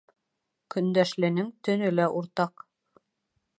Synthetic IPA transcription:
kɵ̆nd̪æʃlɘ̆nɘŋt̪ɵ̆nɵlæʔuɾt̪ɑq

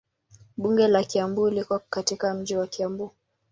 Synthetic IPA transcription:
ɓuŋɡɛlakiambulikɔkatikam̩d͡ʒiwakiambu

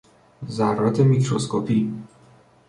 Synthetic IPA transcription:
zærɒːt̪ʰe̞mikʰɾoskʰopʰi

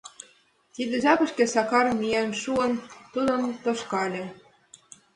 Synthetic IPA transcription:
t̪id̪ĕʒɑpɤ̆ʃkĕsɑkɑɾmijænʃuɤ̆nt̪ud̪ɤnt̪oʃkɑlʲĕ

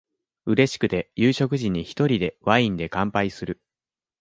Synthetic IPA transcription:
ɯ̟ɾe̞ɕi̥kɯ̟t̪e̞jɨːɕo̞kɯ̟ʑiɲ̟ːiçi̥t̪o̞ɾʲid̪e̞βaĩnd̪e̞kãmpaisɨɾɯ̟

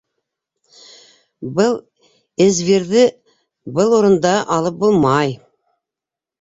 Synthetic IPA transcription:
bəlˠ | ɪzveɾðɪ | bəlˠwoɾənd̪ɑʔɑlˠəp̚bolˠmɑj

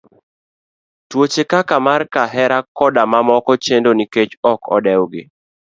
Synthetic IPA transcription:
twot͡ʃekakamarkaɦɛɾakɔdamamɔkɔt͡ʃendoniket͡ʃɔkʰɔ̰dɛwɡɪ̰

